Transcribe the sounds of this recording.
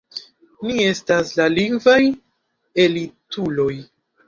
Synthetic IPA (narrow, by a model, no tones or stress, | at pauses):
nie̞staslaliŋɡvaj | e̞litulo̞j